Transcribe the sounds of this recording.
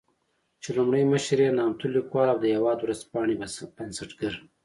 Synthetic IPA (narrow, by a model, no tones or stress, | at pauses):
t͡ʃelumɽəjməʃɾenɑːmt̪ulikwɑːlawd̪əjawɑːd̪wɾazpɑːɳibansəʈɡəɾ